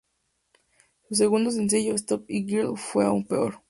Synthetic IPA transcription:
sus̬eɣund̪os̬ens̬eʝoest̪op̚iɡiɾlfweaumpeoɾ

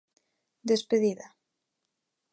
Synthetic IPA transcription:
d̪espeðiða

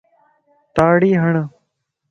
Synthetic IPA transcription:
t̪aːɽiːɦəɳ

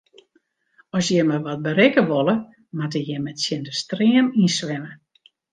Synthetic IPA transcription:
ɔsjɛməʋɔt̚bəɾɪkəʋolˠə | matəjɛmɛtsjɪndəstriəminsʋɪmə

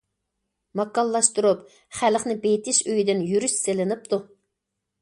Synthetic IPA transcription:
mɑkːɑlˠːɑʃt̪uɾup | χælχnɪbejt̪ʰɪʃøjd̪ɪnjyɾyʃselɪnɪp̚t̪ʰu

